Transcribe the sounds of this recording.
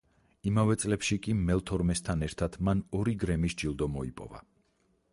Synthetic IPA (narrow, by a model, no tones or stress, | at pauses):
imavɛt̪sʼlɛpʃikʼimɛlˠt̪ʰɔɾmɛst̪ʰanɛɾt̪ʰat̪ʰmanɔɾiɡɾɛmisd͡ʒilˠd̪ɔmɔipʼɔ̰va̰